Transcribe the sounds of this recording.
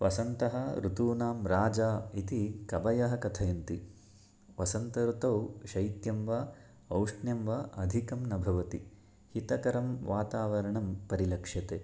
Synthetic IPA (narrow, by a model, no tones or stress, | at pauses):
ʋɐsɐnt̪ɐɦɐ̆ɾut̪uːnaːmɾaːd͡ʒaːit̪ikɐbɐjɐɦɐ̆kɐt̪ʰɐjɐnt̪i | ʋɐsɐnt̪ɐɾut̪ɐwʃɐjt̪jɐmʋɐ | ɐwʂɳjɐmʋɐʔɐd̪ʱikɐmnɐbʱɐʋɐt̪i | hit̪ɐkɐɾɐmʋaːt̪aːʋɐɾɐɳɐmpɐɾilɐkʂjɐt̪eː